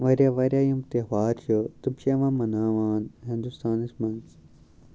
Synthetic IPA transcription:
ʋɐɾʲjaʋɐɾjaːjumt̪eʋaːɾt͡ʃut̪umʃeːʋãːmɐnaːʋaːnɦĩnd̪ust̪ʰaːnismɐnz

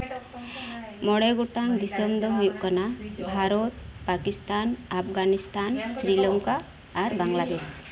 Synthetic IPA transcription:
mɔɽeɡoʈaŋd̪isɔmd̪ɔɦujuʔkanabʱaɾɔt̪̚pakist̪anapʰɡanist̪ansɾilɔŋkaː | ɾbaŋlad̪es

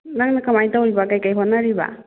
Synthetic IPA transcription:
naŋnakʰamajtawjbakajkajɦɔnaɾiba̰

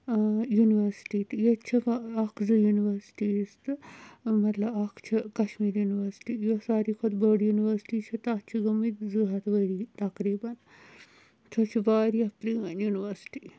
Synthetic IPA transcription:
juniʋɐɾsʈiːt̪ɨjet͡ʃʰiʋaɐkʰzɨjuniʋɐɾsi̥ʈist̪ɨmɐt̪lɐbɐkʰt͡ʃʰikɐʃmiːɾjuːniʋɐɾsi̥ʈiːjosaːɾiːkʰod̪bəɽjuniʋɐɾsi̥ʈiːt͡ʃʰit̪at͡ʃʰiɡɐmit̪zɨɦɐt̪ʋəɽit̪ɐkɾiːbɐn | t̪ʰot͡ʃʰibaːɾiɐpɾiɐnjuniʋɐɾsi̥ʈiː

